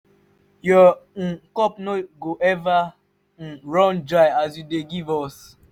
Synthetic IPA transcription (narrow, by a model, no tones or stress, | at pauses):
jɔn̩kɔpnoɡoʔɛvã | ɹɔ̃nd͡ʒaas̬judeɡivɔs